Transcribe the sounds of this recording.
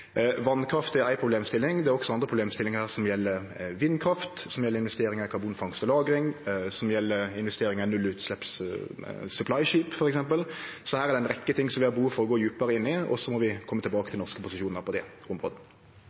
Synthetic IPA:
ʋɑnkʰɾɑft̪æɾæɪpʰɾʊbleːmst̪ɪlɪŋd̪ɛæɾɔksɔɑnd̪ɾəpɾʊbleːmst̪ɪlːɪŋhæːɾsɔmjɛlːəɾ | ʋɪnːkʰɾɑft̪sɔmjɛlːəɾɪnʋɛst̪eːɾɪŋɑkʰɑɾbuːnfɑŋst̪ɔlɑːɡɾɪŋsɔmjɛlːəɾɪnʋɛst̪eːɾɪŋənʉlʉːt̪slɛps | sʉpʰlɑɪʃiːpfɔɾɛksɛmpəlsɔhæːɾæɾd̪ɛɪnɾɛkːət̪ʰɪŋːsɔmʋɪɑbəhuːfɔɾɔɡoːjʉːpɑɾəɪnːɪɔ̰sːɔmɔʋɪkʰɔmːət̪ʰɪlbɑːkət̪ʰɪlnɔʁskəpʊsɪʃuːnəɾpʰɔd̪ɛ | ɔmɾo̰ːd̪

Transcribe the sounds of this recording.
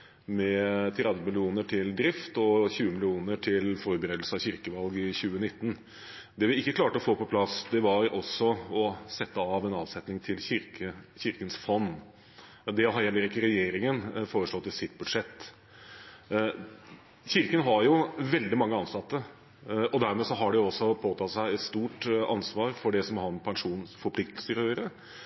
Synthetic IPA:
mɛt̪ʰɾɛd̪ʋəmɪlɪuːnəʈʰɪld̪ɾɪft̪ɔçʉːəmɪlɪuːnəʈʰɪlfɔɾbəɾeːd̪l̩səɑʋçɪɾkəʋɑlɡɪçʉːənɪt̪ːn | d̪ɛʋɪɪkːəkʰlɑːʈəɔfoːpɔpʰlɑsd̪ɛʋɑɾɔsːɔɔsɛt̪ːəɑːʋɛnɑːʋsɛt̪nɪŋt̪ʰɪlçɪɾkəçɪɾkənsfɔnː | d̪ɛɦɑɾjɛlːəɾɪkːəɾɛjeːɾɪŋənfoːɾəʂɭɔt̪ːɪsɪt̪ːbʉd̪ʂɛt̪ː | çɪɾkənɦɑɾjʊʋɛld̪ɪmɑŋːəɑnsɑt̪ːə | ɔd̪æɾmeːsɔɦɑɖɛjʊɔsːɔpʰoːt̪ʰɑt̪sæɪɛt̪st̪uːʈɑ̰nsʋɑːɾfɔɖɛsɔmɦɑnpʰɛŋʂuːnfɔɾpʰlɪkt̪əlsəɾøːəɾə

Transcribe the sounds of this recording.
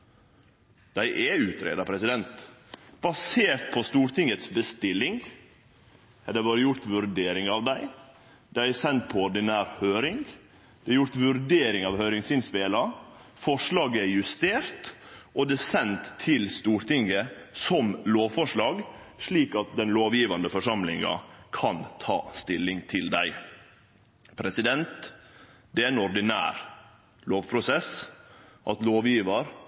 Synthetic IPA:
d̪̥æɪʔɛʉːt̪ʰɾḛːd̪ɑpʰɾɛsɪd̪ɛnt̪b̥ɑseːɾt̪̚pʰɔst̪uːɾʈ̪ʰɪŋət̪sbəst̪ɪlɪŋ | hɛd̪æbɑːɾəjʊɾt̪ʋʉɾɖ̪eːɾɪŋɑʋd̪æɪ | d̪̥æɪɛsɛnt̪̚pʰɔɔɖɪnæːɾhøːɾɪŋɡ | d̪̥ɛjʊɾt̪ʋʉɾɖ̪eːɾɪŋɑːʋhœʏɾɪŋsɪnspeːlɑfɔʂɭɑːɡəɛjʉst̪eːɾt̪ʔɔd̪ɛːsɛnt̪ʰːɪlst̪uːɾt̪ɪŋːəsɔmloːʋfɔʂɭɑːɡ | ʂɭiːkɑt̪̚d̪ɛnloːʋjiːʋɑnd̪əfɔʂɑmlɪŋɑ̰kʰɑnt̪ʰɑ̰ːst̪ɪlːɪŋt̪ʰɪld̪æɪ | pʰɾɛsɪd̪ɛnt̪ | d̪ɛæɪnɔɾɖ̪ɪnæ̰ːɾ | loːʋpʰɾʊsɛs | ʔɑt̪loːʋjiːʋɑɾ

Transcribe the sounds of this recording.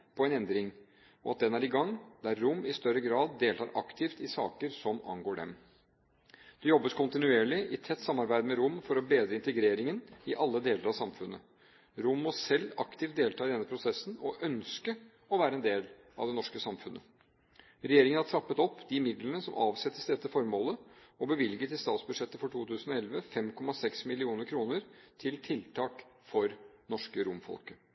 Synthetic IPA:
pʰɔɛnɛnd̪ɾɪŋ | ɔɑt̪̚d̪ɛnæɾɪɡɑŋd̪æɾːʊmːɪst̪œɾːəɡɾɑːd̪ːeːlt̪ɑːɾʔɑ̰kt̪ʰɪft̪ɪsɑ̰ːkəɾsɔmɑ̰ŋɡoːɖɛ̰m | d̪̥ɛjɔbːəskʰʊnt̪ɪnʉeːɭɪʔɪt̪ʰɛt̪ːsɑmːɑɾbæɪd̪mɛɾʊmfɔɾɔbeːd̪ɾəɪnt̪əɡɾeːɾɪŋənɪʔɑlːəd̪eːləɾɑʋsɑmfʉnːə̰ | ɾʊmːɔsɛlːɑkt̪ʰɪft̪d̪eːlt̪ɑːɪd̪ɛnːəpʰɾʊsɛsːn̩ɔʔœnskə | ɔʋæːɾəɛnd̪eːl | ɑ̰ʋd̪ɛnɔʂkəsɑmfʉnʔə̰ | ɾɛjeːɾɪŋənhɑʈʰɾɑpːət̪ɔpːd̪ɪmɪd̪lənəsɔmʔɑːʋsɛt̪ːəsd̪ɛt̪ːəfɔɾmoːləɔbəʋɪlɡət̪ɪlst̪ɑːt̪sbʉd̪ʂɛt̪ːəfɔʈʰuːt̪ʰʉːsən̩ɔɛlʋəfɛmkʰɔmɑsɛksmɪlɪuːnəɾkʰɾuːnəɾt̪ʰɪlt̪ʰɪlt̪ʰɑːkfɔɾnɔʂkəɾʊmfɔ̰lkə

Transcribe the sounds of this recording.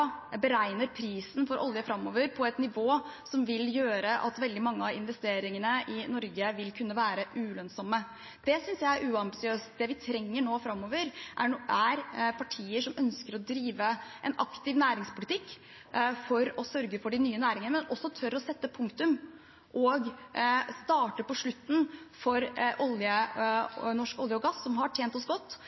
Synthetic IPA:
bəɾæɪnəɾpʰɾiːsn̩fɔɾʔɔ̰lɪəfɾɑmːɔʋəɾpʰɔɛt̪nɪʋoːsɔmʋɪljøːɾəʔɑ̰t̪ʋɛld̪ɪmɑŋːəɑʋɪ̰nʋɛst̪eːɾɪŋənəʔɪnɔɾɡəʋɪlkʰʉnːəʋæːɾəʔʉlœnsɔmːə | d̪̥ɛsʏnsjæɪæɾʔʉːɑmbɪsɪøːst̪d̪ɛʋɪt̪ʰɾɛŋːəɳoːfɾɑmːɔʋəɾʔæ̰æɾpʰɑʈʰiːəʂɔmʔœnskəɾɔd̪ɾiːʋəʔɛnɑkt̪ɪʋnæːɾɪŋspʰʊlɪt̪ʰɪkː | fɔɾɔsœɾɡəfɔɖɪnyːənæːɾɪŋənəmɛnɔsːɔt̪ʰœɾɔsɛt̪ːəpʰʊŋkt̪ʉm | ʔɔɡst̪ɑːʈəpɔʂɭʉt̪ːn̩fɔɾʔɔljə | nɔʂkɔljəɔɡɑsːɔmɦɑʈʰjeːnt̪ɔsɡɔt̪ː

